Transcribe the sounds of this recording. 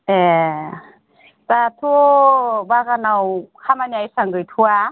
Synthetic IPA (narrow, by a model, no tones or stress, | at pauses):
ɛ | t͡sat̪ʰubaɣanawhʰamanajsaŋɡɯjtʰua